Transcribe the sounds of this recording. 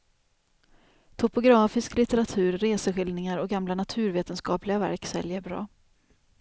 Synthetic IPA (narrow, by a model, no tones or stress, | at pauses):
t̪ʰʊpʊɡɾɑːfɪsklɪt̪ɛɾat̪ʰʉ̟ːɾːeːsəɧɪlnɪŋaɾɔɡamlanat̪ʰʉ̟ːɾveːt̪ənskɑːplɪɡavæ̰ɾksɛ̰ljəɾbɾɑ̰ː